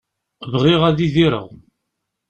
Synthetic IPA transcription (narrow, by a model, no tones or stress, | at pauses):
vʁɪʁæðiðiɾə̰ʁ